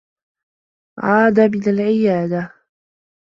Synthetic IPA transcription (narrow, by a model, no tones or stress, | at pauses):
ʕɑːd̪abɪlalʕɪjaːd̪a